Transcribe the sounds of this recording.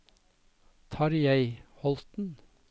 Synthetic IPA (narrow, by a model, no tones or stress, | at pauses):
t̪ʰɑːɾjæɪhɔlt̪n̩